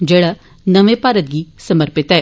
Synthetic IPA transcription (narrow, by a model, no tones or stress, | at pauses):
d͡ʒeːɽa | nɐʋepaːɾət̪̚ɡisɐməɾpɪt̪ɛː